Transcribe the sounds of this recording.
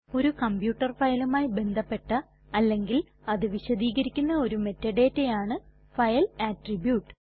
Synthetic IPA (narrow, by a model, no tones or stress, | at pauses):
o̞ɾukɐmbjuːʈːɐrfɐjɐlumaːjbe̞nd̪ʱɐpːe̞ʈːɐ | ɐlːe̞ŋɡil | ɐðɨʋiɕɐd̪iːɣɐɾikʲːunːɐo̞ɾume̞tːɐɖe̞ːtːejaːɳɨ | fɐjɐlaːʈribjuːʈːɨ̥